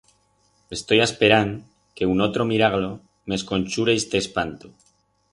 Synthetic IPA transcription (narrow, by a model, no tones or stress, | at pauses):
e̞st̪o̞jaspe̞ɾaŋ | ke̞uno̞t̪ɾo̞miɾaɣlo | me̞sko̞nʲt͡ʃuɾeest̪espant̪u